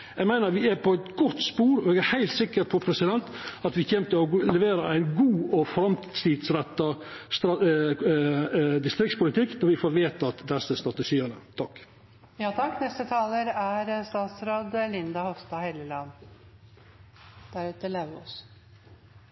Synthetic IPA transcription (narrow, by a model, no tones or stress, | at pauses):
jæɡmæɪnəɾʋɪæɾpʰɔæɪt̪ɡɔt̪ːspuːɾɔɛːɡæɾhæɪlt̪sɪkːəɾpʰɔpʰɾɛsɪd̪ɛnt̪ɑt̪ʋɪçɛmt̪əɔlɛʋeːɾəæɪnɡuːɔfɾɑmt̪sʰiːd̪sɾɛt̪ːɑst̪ɾɑ | d̪ɪst̪ɾɪk̚tspʊlɪt̪ʰɪkːnɔɾʋɪfoːɾʋeːt̪ɑt̪d̪ɛsːəst̪ɾɑt̪əʃiːənət̪ʰɑkː | jɑːt̪ʰɑknɛst̪ət̪ʰɑːləɾæɾst̪ɑːt̪sɾoːd̪lɪnd̪ɑhɔst̪ɑhɛləlɑnː | d̪̥æɾʉːt̪əlɑɔs